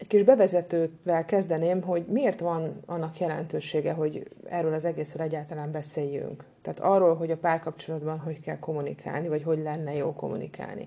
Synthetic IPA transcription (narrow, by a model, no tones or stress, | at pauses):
ɛckiʒbɛvɛzɛt̪øːt̪ʋɛlkɛzd̪ɛneːmɦo̞ɟmieːrt̪ʋɒnɒnːɒkjɛlɛ̰nt̪øːʃeːɡɛɦo̞ɟɛ̰røːlɒzɛɡeːsrøːlɛɟːaːlt̪ɒlaːmbɛseːjːy̰ŋkt̪ɛːt̪ɒrːoːlɦo̞ɟɒpaːrkɒp̚t͡ʃo̞lɒd̪bɒnɦo̞ckɛ̰lko̞munḭkʰa̰ːlnivɒcɦo̞ɟlɛnːɛjoːlko̞̰mṵnḭkʰa̰ːlnḭ